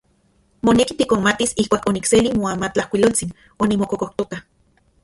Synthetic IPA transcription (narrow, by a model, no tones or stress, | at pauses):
monekit̪ikonmat̪isihkʷaːkonikselimoamat͡ɬahkʷilolt͡sin | onimokokoht̪oka